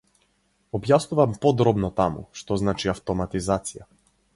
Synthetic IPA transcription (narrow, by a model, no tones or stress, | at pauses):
ɔbjasnuvampɔd̪ɾɔbnɔt̪amṵʃt̪ɔznat͡ʃiaft̪ɔmat̪izat̪sija